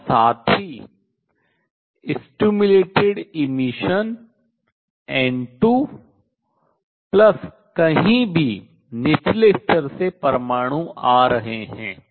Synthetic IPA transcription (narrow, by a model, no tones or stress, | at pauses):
saːt̪ʰɦi | ɪsʈuːmʊleːʈɪɖɪmɪʃən | ɛ̃ːɳʈu | plɐs | kɐɦĩbʱi | nɪt͡ʃleːst̪əɾsepɐɾmaːɽ̃ũʔaːɾɐɦeɦɛ̰̃ː